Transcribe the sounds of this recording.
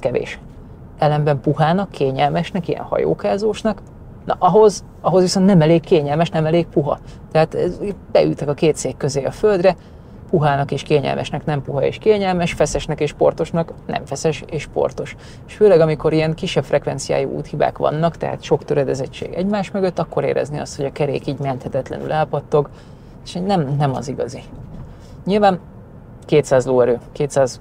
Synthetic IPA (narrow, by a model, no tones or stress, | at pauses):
kɛvḛːʃ | ɛlɛmbɛmpuɦaːnɒkʰːeːɲɛlmɛʃnɛkijɛ̰nhɒ̰jo̰ːkaːzoːʃnɒk | nɒʔɒɦo̞z | ɒɦo̞zʋiso̞nt̪nɛmɛleːkːeːɲɛlmɛʃnɛmɛleːk̚puɦɒ̰t̪ɛɦaːt̪ɛbɛ̰y̰ːt̪ɛkɒkeːt̪seːkːøzeːɒfø̞ld̪rɛ | puɦaːnɒkeːʃkeːɲɛ̰lmʔɛ̰ʃnɛknɛmpuɦɒḛːʃkeːɲɛlmɛʃfɛsɛʃnɛkeːʃpo̞̰rt̪o̞ʃnɒknɛ̰ɱfɛsɛʃeːʃpo̞̰rt̪o̞ʃ | eʃføːlɛɡɒmiko̞ɾijɛŋkiʃːɛbfrɛkʋɛnt̪sija̰ːjḭʔṵːt̪hiba̰ːkʋɒ̰nːɒkt̪ɛ̰ɦa̰t̪ʃo̞kt̪øɾɛd̪ɛzɛt͡ʃːḛːɡɛɟmaːʃmøɡøt̪ːɒkːo̞ɾḛːɾɛ̰zneɒst̪ho̞ɟɒkɛɾḛːkiːɟmɛnt̪hɛt̪ɛt̪lɛ̰ny̰laːpɒt̪ːo̞ɡ | eʃnɛmnɛmɒ̰ziɡɒzi | ɲilvaːn | keːt̪saːzloːɛɾøːkeːt̪saːz